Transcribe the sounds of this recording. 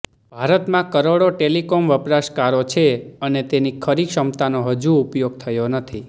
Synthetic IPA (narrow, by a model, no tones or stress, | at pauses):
bʱaɾət̪mãkəɾoɽoʈelikomʋəpɾaʃkaɾot͡ʃʰeənet̪enikʰəɾikʃəmt̪anoɦəd͡ʒuːpjoɡ̚t̪ʰəjonət̪ʰi